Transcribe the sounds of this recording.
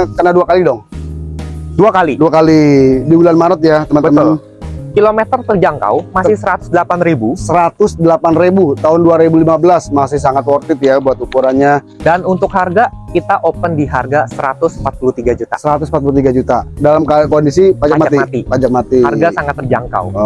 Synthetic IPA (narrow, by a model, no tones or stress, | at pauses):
kənaduakalidɔŋ | duakaliduakalidibulanmaɾət̪̚jat̪əmənbəəməln | kilomet̪ərt̪ərd͡ʒaŋka̰wmasɪhsəɾat̪ʊ̥sdəlapanribusəɾat̪ʊsdəlapanrebut̪aɦʊnduaɾebulimabəlasmasɪhsaŋat̪wɔrt̪ɪt̪̚jabuat̪upuɾanɲa | danunt̪ʊk̚harɡakit̪aʔopəndiɦarɡasəɾa̰t̪ʊsəmpat̪̚pulut̪iɡad͡ʒut̪a̰səɾat̪ʊsmpat̪̚pulut̪iɡad͡ʒut̪adalamkakondisipad͡ʒakmaat̪imat̪ipad͡ʒak̚mat̪iharɡasaŋat̪ːərd͡ʒa̰ŋka̰w